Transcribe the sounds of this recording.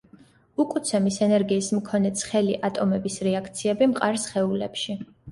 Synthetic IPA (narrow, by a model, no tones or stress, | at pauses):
ukʼut̪sʰɛmisɛnɛɾɡiːsmkʰɔnɛt̪sʰχɛliʔat̪ʼɔmɛbisɾɛakʰt̪sʰiɛbimqʼaɾsχɛulɛpʃi